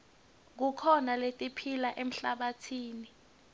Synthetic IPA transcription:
k̬ukʰɔnaletʼipʰilaʔem̩ɬaɓatʰiːni

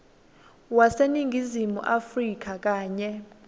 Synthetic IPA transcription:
waseniŋɡʱizimṵʔafrik̬ak̬ʼaːɲɛ

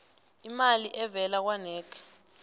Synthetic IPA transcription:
imaliʔɛvɛlak̬wanɛːkʰḁ

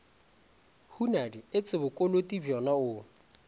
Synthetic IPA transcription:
hunadiɪt͡sʼɪbʊkʼolotʼibjɔnaʊ

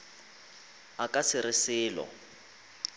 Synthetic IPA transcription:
akʼasɪɾɪsɪːlɔ̰

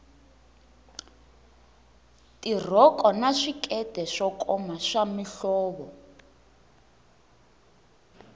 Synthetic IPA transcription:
tʼir̤ɔkʼɔnaʂikʼɛdʱɛʂɔkʼɔmaʂamiɬɔːβɔ

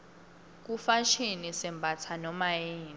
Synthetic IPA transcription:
k̬ufaʃinisɛmbʱat͡sʰanɔmajeːn

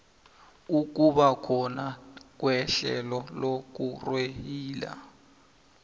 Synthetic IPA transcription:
uk̬uɓakʰɔnak̬wɛɬɛlɔlok̬urwehiːla̰

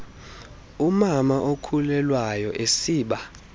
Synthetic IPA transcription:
umamaʔokʰulɛlwajɔʔesiːɓa

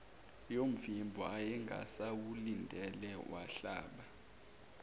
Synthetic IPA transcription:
jom̩vimbʱɔajɛŋɡʱa̰sawulindʱɛlɛwʔa̰ɬaːɓa

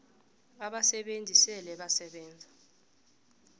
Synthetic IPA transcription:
aɓasɛɓend͡zʱisɛlɛɓasɛɓɛːnd͡zʱa

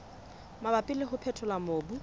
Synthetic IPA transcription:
mabapʼɪlɪχʊpʰɛtʰɔlamoːbu

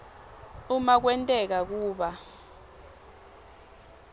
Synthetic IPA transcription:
umak̬wɛntʼɛk̬ak̬uːɓa

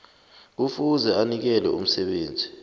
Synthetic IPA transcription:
k̬ufuzɛanik̬ɛlɛum̩sɛɓeːnd͡zʱi

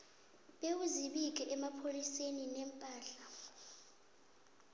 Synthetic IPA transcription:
ɓewuziɓik̬ʼɛʔɛmapʰoliseninɛmpʼaːɬa

